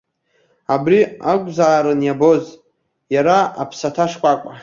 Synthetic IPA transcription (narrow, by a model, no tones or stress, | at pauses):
abriakʷʼzaːɾɨnjaboz | jaɾaa̰pʰsatʰaʂkʷʼakʷʼa